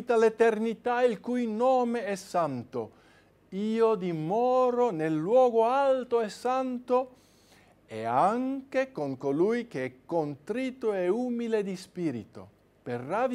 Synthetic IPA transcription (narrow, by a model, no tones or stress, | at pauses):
t̪alet̪ernit̪ailkujnɔːmeɛsant̪o̰ | iːod̪imɔːɾonelːwɔːɡoalt̪oɛsːant̪o | ḛaŋkekoŋkolujk̟eɛkːont̪ɾit̪oɛuːmiled̪ispiːɾḭt̪o̰ | perːad̪